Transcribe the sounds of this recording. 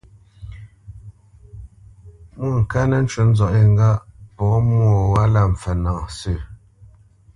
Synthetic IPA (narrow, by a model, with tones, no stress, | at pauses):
mu˦˨ŋ̩˨ka˦nə˦n̩˦t͡ʃə˦n̩˦zɔ˨ʔi˦˨ŋ˦ɡa˦ʔpɔ˨˦mwɔ˦˨wa˦la˦˨m̩˨fɛ˨na˨ʔsə˦˨